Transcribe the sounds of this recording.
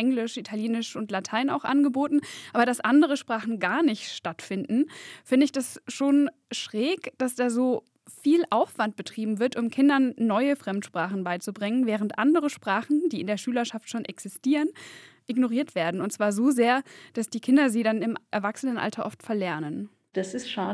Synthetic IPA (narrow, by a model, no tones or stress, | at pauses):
ʔɛŋlɪʃʔitʰaljeːnɪʃʊntlatʰaɪna̰ʊxʔa̰nɡəboːtn̩ʔaːbɐdasʔandəʁ̞əʃpʁ̥aːχn̩ɡaːɐnɪçtʃtatfɪndn̩fɪndəɪçd̥asʃoːn | ʃʁ̥ɛːkd̥asd̥aːzoː | fiːlʔaʊfv̥ant̚b̥ətʁ̥iːbm̩vɪɐtʊmkʰɪndɐnːɔʏəfʁ̥ɛmtʃpʁ̥aːχn̩baɪt͡subʁɪŋənvɛːʁ̞əntʔandəʁəʃpʁ̥aːχn̩diːɪndeːɐʃyːlɐʃaftʃoːnʔɛksɪstiːʁən | ʔɪɡnoʁiːɐtv̥eːɐdn̩ʊntt͡sv̥aːɐzoːzeːɐd̥asd̥iːkʰɪndɐziːɾanɪmʔɛɐvaksənənʔa̰ltʰɐʔɔftfɛɐlɛɐnən | d̥asɪstʃaː